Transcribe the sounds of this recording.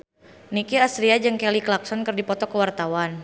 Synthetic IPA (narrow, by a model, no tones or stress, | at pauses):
nikiasɾiad͡ʒəŋkɛliklak̚sɔnkɨrdipɔt̪ɔkəwart̪awan